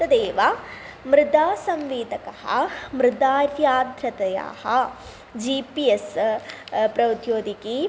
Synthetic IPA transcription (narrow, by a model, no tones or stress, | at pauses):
t̪ɐd̪eːʋɐ | mɾɪd̪aːsɐmʋiːd̪ɐkɐhɐ̰mɾɪd̪aːɾjaːd̪ʱɾɐt̪ɐja̰ːhɐ | d͡ʒipies | pɾɐwd̪joːd̪iki